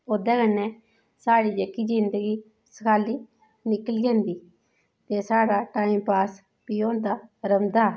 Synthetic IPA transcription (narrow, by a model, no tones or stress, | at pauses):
od̪ɛːkənːɛ̃ː | saːɽiːd͡ʒəkiːd͡ʒɪnd̪əɡiː | sə̥kʰaːliː | nɪkəlɡɛ̃ːnd̪iː | t̪eːsaːɽaːʈaːĩmpaːs | piːõːnd̪aːɾəmd̪aː